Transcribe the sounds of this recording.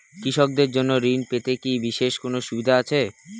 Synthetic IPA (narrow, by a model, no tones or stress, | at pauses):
kɾiʃok̚d̪eɾd͡ʑonːoɾinpet̪ekibiʃeʃkonoʃubid̪ʱaat͡ɕʰe